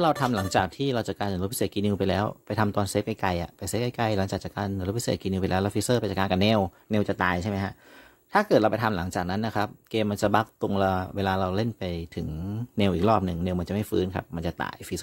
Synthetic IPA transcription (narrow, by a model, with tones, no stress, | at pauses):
ɾa˧wt̪ʰa˧mla˩˦ŋt͡ɕaː˨˩k̚t̪ʰiː˥˩ɾa˧wt͡ɕa˨˩kaː˧nsa˨nɾpʰi˦˥seː˨˩t̪̚kiː˧ni˧pa˧jlɛː˦˥wpa˧jt̪ʰa˧mt̪ɔː˧nseː˦˥p̚ka˧˩jka˧jʔa̰˨˩pa˧jse˦˥p̚ka˧jka˧jla˨˩˦ŋt͡ɕaː˨˩k̚t͡ɕa˨˩kaː˧n˧˨ɾo˦˥pʰi˦˥seː˨˩t̚kiː˧ni˧p̬jlɛː˦˥wlːwfi˦˥sɤː˥˩pa˧jt͡ɕa˨˩kaː˧nka˨˩nɛː˧w | neː˧wt͡ɕa˨˩t̪aː˨˧jt͡ɕʰa˥˩jma˦˥jkʰa˦˥ʔ | t̪ʰaː˥˩kɤː˨˩ɾa˧wpa˧jt̪ʰa˧mla˩˦ŋt͡ɕaː˨˩k̚na˦˥nːa˦˥kʰa˦˥p̚keː˧mːa˧nt͡ɕa˨˩ba˦˥k̚t̪u˧ŋlɛ˦˥weː˧laː˧ɾa˧wle˥˩npa˧jt̪ʰɯ˩˦ŋneː˧wʔiː˨˩k̚ɾɔː˥˩p̚nɯ˨˩ŋneː˧wma˧nt͡ɕa˨˩ma˥˩jfɯː˦˥nkʰa̰˦˥p̚ma˧nt͡ɕa˨˩t̪a̰ː˨˩jfi˦˥s